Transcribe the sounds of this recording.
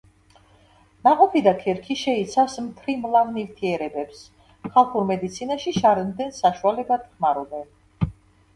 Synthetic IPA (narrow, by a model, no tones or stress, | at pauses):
maqʼɔpʰid̪akʰɛɾkʰiʃɛit̪sʰavsmt̪ʰɾimlˠavnivt̪ʰiɛɾɛbɛps | χalˠχuɾmɛd̪it̪sʰinaʃiʃaɾmd̪ɛnsaʃualɛbad̪̥χmaɾɔbɛn